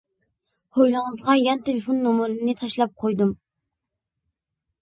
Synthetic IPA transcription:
hojlˠɑŋɨzʁɑjɑnt̪ʰelɪfonːomʊɾɨnɪt̪ʰɑʃlˠɑp̚qʰojd̪um

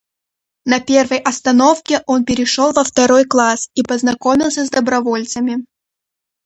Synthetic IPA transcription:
nɐpʲe̞rvəjʔɐst̪ɐno̞fkʲɪʔonpʲɪɾʲɪʂolˠvəft̪ɐɾojklˠasipəznɐkomʲɪlˠsʲəzd̪əbɾɐvolʲt̪səmʲɪ

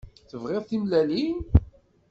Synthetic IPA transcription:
θəvʁɪðˤθimlælin

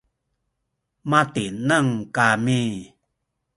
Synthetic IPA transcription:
mat̪inaŋkami

